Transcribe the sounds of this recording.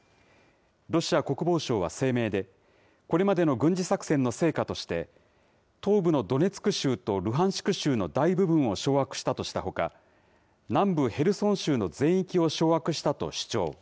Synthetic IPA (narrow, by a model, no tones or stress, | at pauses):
ɾo̞ɕiako̞kɯ̟bo̞ːɕo̞ːβ̞a̰se̞ːme̞ːd̪e̞ | ko̞ɾe̞mad̪e̞no̞ɡɯ̟̃ɲ̟d͡ʑisaksẽ̞nːo̞se̞ːkat̪o̞ɕi̥t̪e̞̰ | t̪o̞ːbɯ̟no̞d̪o̞ne̞t͡sɨ̥kɯ̟ɕɨːt̪o̞ɾɯ̟ɦãɰ̃ɕi̥kɯ̟ɕɨːno̞d̪aibɯ̟bɯ̟̃ɰ̃o̞ɕo̞ːakɯ̟̥ɕi̥t̪at̪o̞ɕi̥t̪aho̞ka̰ | nãmbɯ̟he̞ɾɯ̟sõ̞ɰ̃ɕɨːno̞zẽ̞ɰ̃ikʲio̞ɕo̞ːakɯ̟ɕi̥t̪at̪o̞̰ɕi̥t͡ɕo̞ː